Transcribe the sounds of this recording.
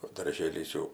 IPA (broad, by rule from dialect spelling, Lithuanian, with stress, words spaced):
oː dɐrʲˈʒʲeːlʲɪs jɛʊ